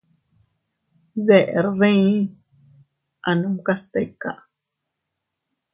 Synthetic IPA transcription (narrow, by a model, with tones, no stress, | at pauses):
ðe˧˨ʔḛ˨ɾðĩ˦˧˦ | a˨nũ˦mka˦st̪e˧˨ka̰˦˨